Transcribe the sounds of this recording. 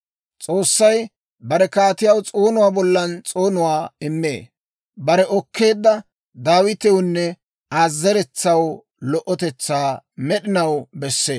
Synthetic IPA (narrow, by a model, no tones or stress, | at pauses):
t͡sʼo̞ːsːɐj | bɐɾɛkaːt̪ɪjɐwt͡sʼo̞ːnʊwaːbɔlːɐnt͡sʼo̞ːnʊwaːɪmːḛː | bɐɾɛʔɔkʰːe̞ːd̪ːɐ | d̪aːwɪt̪ɛwʊnːɛ | aːzːɛɾɛt͡sːɐw | lɔʔɔt̪ɛt͡sːaːmɛɗɪnɐwbɛsːeː